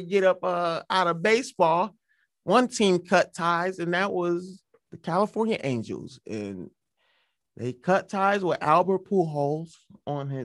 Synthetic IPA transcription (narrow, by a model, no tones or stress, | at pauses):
ɡɛɾʌpʌaʊɾəbeɪsb̥ɔlˠ | wʔʌ̃ntʰĩmkʰʌtʰaɪzɨ̃nðɨʔ̚wʌz | ðɨkʰælˠəfɔɹnjɨʔẽɪ̃nd͡ʒl̩ˠzɨ̰̃n | ðeɪkʰʌtʰaɪzwəʔælˠbə˞pʰuɦoʊlˠz̥ | ə̃n̩ɪ